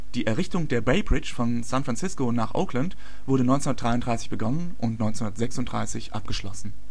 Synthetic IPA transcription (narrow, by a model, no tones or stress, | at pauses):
d̥iːʔɛɐʁɪçtʊŋdeːɐbeɪbʁɪt͡ʃfɔnsãnfʁ̥ant͡sɪskonaːχʔa̰ʊkʰlənt | v̥ʊɐɾənɔʏnsnundətd̥ʁaɪʊntdʁaɪsɪ̥çb̥əɡɔnənʔʊntnɔʏnt͡snundɐtz̥ɛksʊntd̥ʁa̰ɪsɪçʔa̰p̚ɡ̥əʃlɔ̰sn̩